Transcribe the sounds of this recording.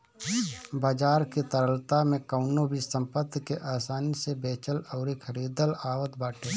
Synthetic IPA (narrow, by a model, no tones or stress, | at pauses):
baːd͡ʒaːɾkit̪əɾəlt̪amẽkəʊnobʱisə̃mpət̪ːkeʔaːsaːnisebeːt͡ʃəlɔːɾikʰəɾiːd̪əlaːwət̪baːʈʰeː